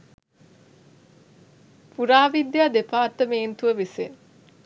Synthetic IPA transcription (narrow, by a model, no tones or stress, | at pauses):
puɾaːʋid̪jad̪epaːrt̪əmeːnt̪uʋəʋisen